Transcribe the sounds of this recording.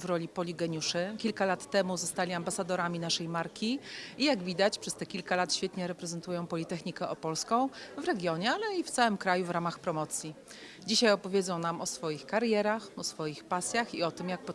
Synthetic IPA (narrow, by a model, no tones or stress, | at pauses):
vɾɔlʲipɔlʲiɡɛɲuʂɘkʲilkalat̪ːɛmuzɔst̪alʲiambasad̪ɔɾamʲinaʂɛjmaɾkʲiijaɡvʲid̪at͡ɕpʂɛst̪ɛkʲilkalat̪ɕfʲjɛt̪ɲɛɾɛpɾɛzɛnt̪ujɔ̃w̃pɔlʲit̪ɛxɲikɛʔɔpɔlskɔ̃w̃vɾɛɡʲjɔɲɛalɛift̪sawɘmkɾajuvɾamaxpɾɔmɔt̪sʲji | d͡ʑiɕajɔpɔvʲjed̪zɔ̃w̃namɔsfɔjixkaɾjɛɾaxɔsfɔjixpasʲjaxiɔt̪ɘmjak̚pɔ